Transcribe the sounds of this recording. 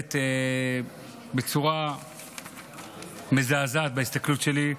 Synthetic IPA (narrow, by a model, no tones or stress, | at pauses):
t̪e | bet͡suʁa | mezaːzaːt̪̚baist̪aklut̪ʃe̞li